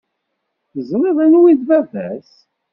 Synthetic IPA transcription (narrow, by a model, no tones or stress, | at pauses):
θəzˤɾeðˤænwiðvævæs